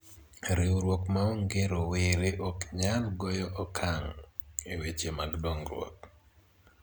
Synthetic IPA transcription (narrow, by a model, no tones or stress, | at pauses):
ɾiwɾwokmaoŋɡeɾowɪɾeʔɔkɲalɡɔjɔʔɔkʰaŋiwet͡ʃemaɡdoŋɾwɔ̰k̚